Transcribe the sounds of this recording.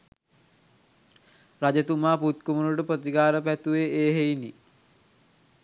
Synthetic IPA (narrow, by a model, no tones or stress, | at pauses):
rad͡ʒət̪umaːput̪̚kumunuʈəpɾət̪ikaːɾəpæt̪uʋeeːɦejnḭ